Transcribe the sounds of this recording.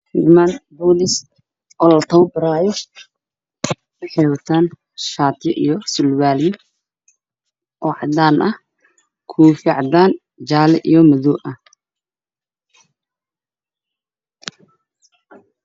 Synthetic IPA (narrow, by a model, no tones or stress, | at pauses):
ɪʕmaːnbɔːlɪs | ɔːlɐt̪ʰɐwbɪɾaːjɔ | wɐħɛjwɐt̪ʰaːn | ʃaːt̪jɔʔijɔsʊlwaːljɔ | ʔɔːʕɑd̪aːnʔɐh | kʰuːfiʕɑd̪aːn | d͡ʒaːlɛʔijɔmɐðɔʔɐ